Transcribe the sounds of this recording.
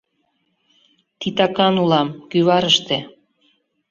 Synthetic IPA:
t̪it̪ɑkɑnulɑmkyβɑɾəʃt̪e

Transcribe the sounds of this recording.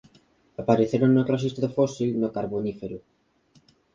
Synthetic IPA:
apaɾeθeɾoŋnaklas̬ist̪aðofosilnokaɾβonifeɾʊ

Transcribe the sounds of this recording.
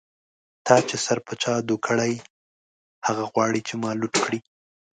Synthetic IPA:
t̪ɑt͡ʃesaɾpat͡ʃɑd̪ukʰəɽaj | haɣaɣwɑɽit͡ʃemɑluʈkɽi

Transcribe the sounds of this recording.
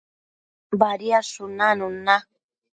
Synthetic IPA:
baɾiaʂʊnanuna

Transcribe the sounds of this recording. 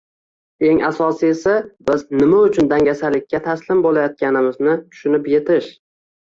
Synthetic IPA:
e̞ŋʔasɒsie̞sabɪznɪmaʊt͡ʃʰʊnd̪aŋʲasalɪkʲːat̪ʰaslɪmbolajɒt̪̚kʲanɪmɪznɪt̪ʰʊ̥ʃʊnɪpje̞t̪ʰɪʃ

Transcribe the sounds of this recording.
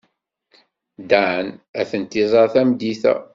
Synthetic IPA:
d̪aʕənæθənt̪ːizˤɑɾθæmd̪iθæ̰

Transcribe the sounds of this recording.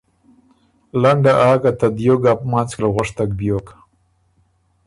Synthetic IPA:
laɳɖaʔɑːɡat̪ad̪joɡapmɑnt͡sklaɣʊʂt̪ak̚bjoka

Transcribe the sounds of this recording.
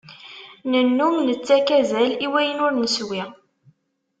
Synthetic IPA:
nənːuŋnət͡sːækæzæliwæjənʊɾnəswi

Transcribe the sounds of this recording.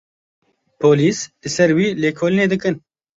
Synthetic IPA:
pʰoːliːslɨsɛɾwiːleːkʰoːlineːd̪ɨkɨn

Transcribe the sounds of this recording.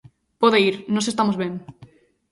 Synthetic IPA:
poðeiɾnõsest̪amozβeŋ

